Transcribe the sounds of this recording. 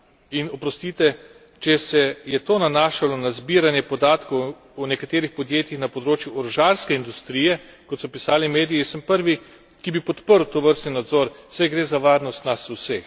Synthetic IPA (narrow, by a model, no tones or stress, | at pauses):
inɔpɾɔst̪it̪ɛ | t͡ʃɛsɛjɛt̪oːnanaːʃalɔnazbiɾanjɛpɔd̪aːt̪kɔw | unɛkat̪eːɾixpɔd̪jeːt̪jixnapɔd̪ɾoːt͡ʃjuɔɾɔʒaɾskɛind̪ust̪ɾiːjɛkɔt̪sɔpisaːlimeːd̪ijisəmpəɾʋi | kibipɔt̪pəɾwt̪oʋəɾst̪ninad̪zɔːɾsajɡɾeːzaʋaːɾnɔst̪nasuseːx